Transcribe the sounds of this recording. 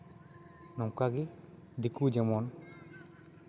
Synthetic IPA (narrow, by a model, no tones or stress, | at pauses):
nɔŋkaɡi | d̪ikud͡ʒɛmɔn